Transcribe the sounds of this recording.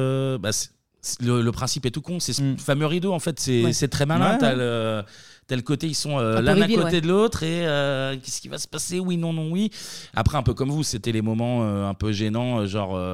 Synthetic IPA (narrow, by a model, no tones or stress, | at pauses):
basɛ̥ | slələpχɛ̃sipɛt̪ukɔ̃sɛsfamøʁid̪oɑ̃fɛt̪sɛsɛt̪χɛmalɛ̃t̪yalø | t̪aləkot̪eisɔ̃ølɛdd̪ɛ̃kot̪ed̪əlot̪χeøkʲɛskʲiva̰sə̥pasewinɔ̃nɔ̃wia̰pχɛɛ̃pøkɔmvuset̪ɛlemɔmɑ̃øɛ̃pøʒenɑ̃øʒɑ̃ʁø